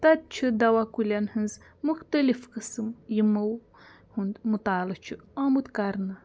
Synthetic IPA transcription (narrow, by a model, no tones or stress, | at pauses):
t̪ɐt̪̚t͡ʃʰɨd̪awakulʲanhɨnz | muxt̪ɐlifkɨsɨmjiməw | hund̪mut̪aːlɨt͡ʃʰiamud̪kaɾna